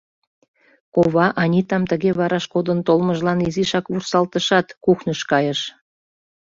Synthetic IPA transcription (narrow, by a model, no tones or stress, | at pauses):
koβɑʔɑnʲit̪ɑmt̪əɣeβɑɾɑʃkod̪ənt̪olməʒlɑniziʃɑkβursɑlt̪əʃɑt̪kuxnəʃkɑjəʃ